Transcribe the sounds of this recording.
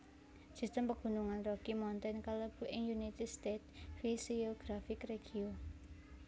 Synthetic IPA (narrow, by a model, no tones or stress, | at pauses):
sist̪əmpəɡ̥ṳnuŋanrɔkimɔnt̪ɛnkələb̥ṳʔɪŋjunit̪ɪd̪st̪et̪̚fisioɡ̥ɾafɪkreɡ̥io